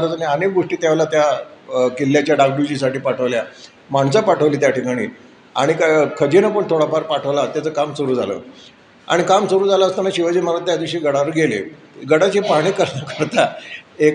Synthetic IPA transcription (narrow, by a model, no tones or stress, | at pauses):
ɾət͡saneənek̚ɡoʂʈiːt̪jaʋlat̪jakilːjat͡ɕjaɖak̚ɖud͡ʑis̬aʈiːpaʈʰəʋlja | maɳsapaʈʰəʋliːt̪jaʈʰikaɽ̃ḭː | a̰ɽ̃ikkʰəd͡ʑinap̬əɳt̪ʰoɽapaɾpaʈʰəʋlat̪jat͡səːkamsoɾuːd͡zʱa̰lə̰ː | a̰ɽ̃ikamsoɾuːd͡zʱalaəst̪anaɕiʋəd͡ʑiːmaɾat̪̚t̪jad̪iɕiːɡəɽaɾəɡelḛ | ɡəɽat͡ɕiːpaɽ̃ikəɾnakəɾt̪aek